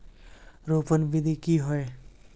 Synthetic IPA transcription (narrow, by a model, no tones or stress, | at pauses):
ɾopənbid̪ʱikiɦɔe